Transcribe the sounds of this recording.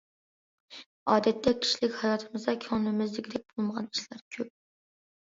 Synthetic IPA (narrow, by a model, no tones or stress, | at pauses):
ɑːd̪ɛt̪ʰːɛkʲʰi̥ʃilɪkʲhɑjɑːt̪ʰɨmɨzd̪ɑkʲʰɑŋnɨmɪzlɪkʲd̪ɛk̚ʲbolˠməʁɑniʃlæɾkʲʰøp̚